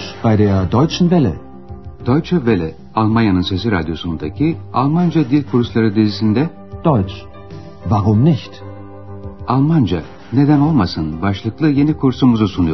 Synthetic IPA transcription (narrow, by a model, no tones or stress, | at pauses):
b̥ajd̪eːɐd̪ɔjt͡ʃn̩vɛlʲɛ̰ | d̪̥ojt͡ʃʰavelʲɛ | alˠmanjanɯnse̞s̬iɾa̰d̪jo̞sunund̪acʰialˠmand͡ʒad̪ilʲkʰuɾslˠaɾɯd̪izisind̪ɛ | d̪̥ɔjt͡ʃ | vaɾʊmnɪçt̪ | alˠmand͡ʒa | ne̞d̪æno̞lˠmasɯnbaʃlˠɯklˠɯje̞nikʰuɾsumuzusunujo